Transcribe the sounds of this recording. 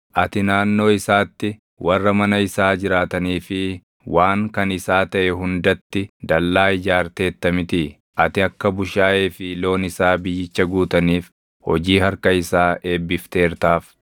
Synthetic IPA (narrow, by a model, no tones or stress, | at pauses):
ʔɐt̪ɪnaːnːo̞ːɪsaːt̪ːɪ | wɐrːɐmɐnɐɪsaːd͡ʒɪɾaːt̪ɐniːfɪ | waːŋkɐnɪsaːt̪ɐʔɛɦʊnd̪ɐt̪ːɪd̪ɐlːaːɪd͡ʒaːɾt̪e̞ːt̪ːɐmɪt̪ɪ | ʔɐt̪ɪɐkːɐbʊʃaːʔeːfɪlo̞ːnɪsaːbɪjːɪt͡ʃːɐɡuːt̪ɐniːf | hɔ̰d͡ʒiːhɐɾkɐɪsaːʔe̞ːbːɪft̪e̞ːɾt̪aːf